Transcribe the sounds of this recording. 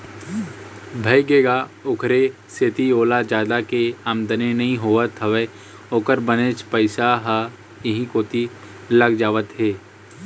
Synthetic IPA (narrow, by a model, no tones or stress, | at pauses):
bʱɐjɡeːɡaʊkʰɾe | set̪ioːlad͡ʒaːd̪akeaːmd̪ənenɐɦĩɦoːʋət̪ɦɐʋe | oːkəɾbənet͡ʃpəɪsaɦə | jɐɦĩkoːt̪i | ləɡd͡ʒaːʋət̪ɦeː